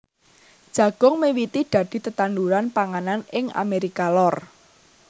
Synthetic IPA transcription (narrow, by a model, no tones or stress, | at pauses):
d̥ʒ̥ä̤ɡ̥ɔ̤ŋmewit̪iɖ̪̥ä̤d̪̥i̤t̪ət̪anduɾanpaŋananɪŋa̰meɾikalɔr